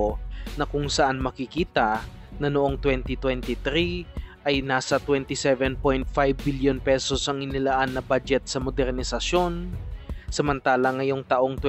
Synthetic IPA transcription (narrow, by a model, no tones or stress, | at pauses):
nɐkʊŋsɐʔanmɐkɪkiːt̪ɐ | nɐnoʔo̞ŋt̪wɛnt̪ɪt̪wɛnt̪ɪt̪ɾiʔɐjnaːsɐt̪wɛnt̪ɪsɛvɛnpojnt̪̚fajvːiljonpɛsosʔɐŋɪnɪlaʔanːɐbad͡ʒɛt̪̚sɐmod̪ɛɾnɪsɐʃjo̞n | sɐmɐnt̪aːlɐŋɐjoŋt̪ɐʔo̞ŋt̪w